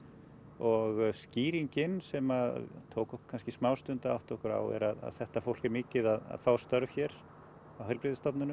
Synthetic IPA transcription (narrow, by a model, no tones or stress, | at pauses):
ɔɣsciːɾiɲcɪnsɛmat̪ʰoːwkɔhkkʰanscɪsmaːwst̪ʏnt̪aa̰wht̪ɔhkʏɾa̰wɛ̰ɾaða̰ðθɛht̪afowl̥cɛɾmɪːcɪðaða̰ðfaːwst̪œɾvçɛɾ | awɦœlpɾɪðɪst̪ɔpnʏnʏm